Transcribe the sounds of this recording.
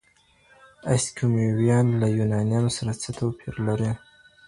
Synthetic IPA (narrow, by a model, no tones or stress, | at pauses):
a̰skʰumewijɑnlajunɑnijamsaɾat͡sət̪ʰopʰiɾlaɾe